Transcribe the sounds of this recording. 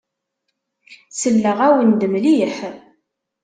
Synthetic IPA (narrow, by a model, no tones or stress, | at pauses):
səlːəʁæwənd̪əmliħ